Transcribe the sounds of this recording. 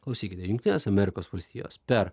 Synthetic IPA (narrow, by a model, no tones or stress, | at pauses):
klˠɐʊsʲiːkʲɪt̪ʲɛjʊŋkt̪ʲɪnʲeːsɐmʲɛɾʲɪkoːsʋɐlʲsʲt̪ʲiːjo̰ːspʲɛɾ